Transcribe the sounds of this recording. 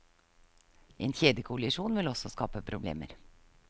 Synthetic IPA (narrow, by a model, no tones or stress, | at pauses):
ʔḛːnçeːd̪əkʰʊlɪʃuːnʋɪlɔsɔskɑ̰ːpəpʰɾʊblḛːmə̰ɾ